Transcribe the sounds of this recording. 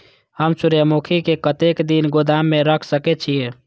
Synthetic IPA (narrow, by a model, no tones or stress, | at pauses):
həmsuɾjəmukʰikekət̪ekd̪inɡod̪amːeɾəkʰsəkɛt͡ʃʰije